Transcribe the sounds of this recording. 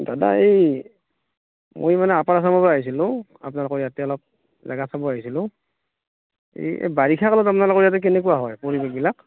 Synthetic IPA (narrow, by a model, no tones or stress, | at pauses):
dada̰ej | mo̰jmanɛapaɹas̬amapɹaaɦis̬ilʊ̃ | a̰pnalʊkɔɹijatɛɔlɔp̚ | za̰ɡasabɔaɦisilʊ̃ | ḛjḛbaɹikʰakalɔtapnalʊkɔɹijat̬ɛk̬ɛnɛkuwaɦɔjpɔɹibɛk̚bilak̚